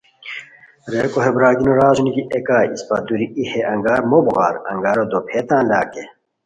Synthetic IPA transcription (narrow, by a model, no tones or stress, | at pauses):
ɾeːkoɦebɾaːɡinoɾaːzuniɡiʔekaːispɐ̰d̪uɾiiheɐŋɡaːɾmobuɣa̰ːɾɐ̰ŋɡaːɾod̪opʰeːt̪ãːnla̰ːke